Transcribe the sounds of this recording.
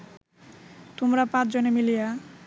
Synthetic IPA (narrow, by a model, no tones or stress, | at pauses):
t̪omɾapãt͡ɕʰd͡ʑonemilija